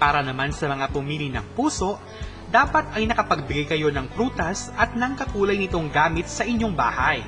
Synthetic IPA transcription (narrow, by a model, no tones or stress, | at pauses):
paːɾɐnɐmansɐmɐŋapʊmiːlinɐ̰ŋpuːso̞ʔ | d̪aːpɐt̪̚ɐjnɐkɐpɐɡ̚bɪɡajkɐjo̞nɐŋpɾuːt̪ɐsʔɐt̪̚nɐŋkɐkuːlɐjnɪt̪o̞ŋɡaːmɪt̪̚sɐʔɪɲːo̞ŋba̰ːhɐj